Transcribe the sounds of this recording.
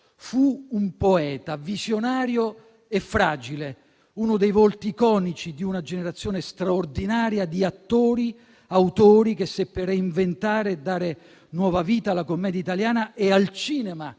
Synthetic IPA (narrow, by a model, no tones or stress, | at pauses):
fuumpoɛːt̪avizjonaːɾjo | efːɾaːd͡ʒile | uːnʊd̪ejvolt̪ikɔːnit͡ʃid̪iunad͡ʒeneɾat̪sːjoːnest̪ɾaord̪inaːɾjad̪iat̪ːoːɾi | awt̪oːɾik̟esːepːereiɱvent̪aːɾed̪ːaːɾe | nwɔːvaviːt̪alːakomːɛːd̪jait̪aljaːnaʔealt͡ʃiːnɛma